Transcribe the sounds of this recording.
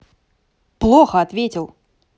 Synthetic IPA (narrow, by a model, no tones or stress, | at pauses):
plˠɔxɐɐt̪ʋʲetʲilˠ